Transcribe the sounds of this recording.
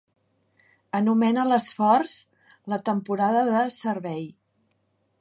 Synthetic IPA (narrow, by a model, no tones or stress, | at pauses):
ənumɛnələsfɔrz̥ | lət̪əmpuɾaðəðəsəɾβɛj